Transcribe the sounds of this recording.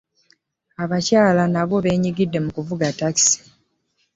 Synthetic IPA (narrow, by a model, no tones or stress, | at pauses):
aβacaːlanaβo̞βe̞ːɲiɡidːe̞mukuvuɡataki̥si̥